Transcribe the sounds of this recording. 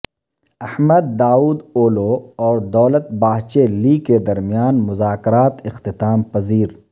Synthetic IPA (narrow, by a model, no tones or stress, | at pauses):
ɐhməd̪̚ːaːuːd̪oːloɔːɾd̪ɔːlət̪̚baːɦt͡ʃeliked̪ɐɾmijaːnmʊzaːkɪɾaːt̪ɪxt̪ɪt̪aːmpɐziːɾ